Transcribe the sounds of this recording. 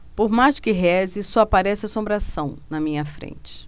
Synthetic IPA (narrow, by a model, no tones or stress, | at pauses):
poɾmaʃkɪɦɛzɪsɔapaɾɛsɪasõmbɾasɐ̃w̃nɐmĩɲɐfɾḛ̃nt͡ʃɪ̥